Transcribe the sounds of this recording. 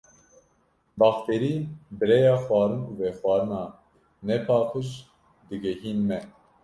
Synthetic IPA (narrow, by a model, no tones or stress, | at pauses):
bɑxt̪eɾiːbɨɾɛjɑːxwɑːɾɨnuːvɛxwɑːɾɨnɑː | nɛpʰɑːkʰɨʃ | d̪ɨɡɛɦiːnmɛ